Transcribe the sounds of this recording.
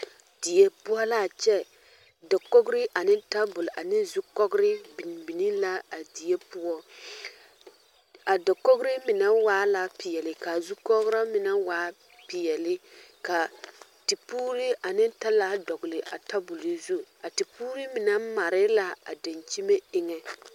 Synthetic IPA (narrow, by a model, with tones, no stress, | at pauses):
d̥i˨je˦pʊ˦ɔ˦la˦˨t͡ʃɛ˦ | dɔ˨ko˦ɡɾɪ˦ʔa˨nɪ˦n˦ta˦bʊ˨la˨nɪ˦zu˦kɔ˦ɡɾɪ˦bi˨n˨bi˨ni˦la˦a˨di˨je˦pʊ˦ɔ˦ | a˨da˨ko˦ɡɾɪ˦mɪ˨na˦waː˦la˦pɪ˨jɛ˨lɪ˦ka˨zu˦kɔ˦ɣɾa˦mɪ˨na˦waː˨˦ | pɪ˨jɛ˨lɪ˦ka˨ | ti˨puː˦ɾi˦ʔa˨nɪ˦n˦ta˦la˦dɔ˨ɡlɪ˨ʔa̰˨ta˦bʊ˨lɪ˨zu˦a˨ti˨puː˦ɾi˦mɪ˨na˦ma˨ɾɪ˦la˦a˨da˨nt͡ʃi˦me˦ɪ˦ŋɛ˦